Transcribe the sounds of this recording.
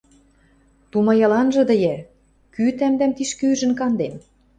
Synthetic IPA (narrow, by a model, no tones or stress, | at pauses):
t̪umɑjɑlɑnʒɤ̆d̪ə̆je | kyt̪æmd̪æmt̪iʃkyʒɘ̆nkɑnd̪em